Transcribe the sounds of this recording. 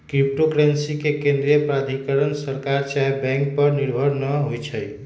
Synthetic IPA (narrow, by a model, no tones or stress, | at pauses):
kɾip̚ʈokɾensikekẽnd̪ɾijəpɾad̪ʱikəɾənsəɾkaɾt͡ʃaebɛ̃ŋk̚pəɾniɾbʱəɾnəɦojt͡ʃʰəj